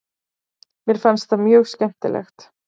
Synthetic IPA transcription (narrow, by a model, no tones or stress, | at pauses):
mjɛɾ̥fɛnst̪θamjœːɣscɛm̥t̪ɪ̰lʔɛ̰xt̪